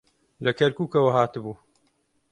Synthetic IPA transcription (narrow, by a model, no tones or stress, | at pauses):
lɐkɐɾkuːkɐwɐɦaːt̪ɨbuː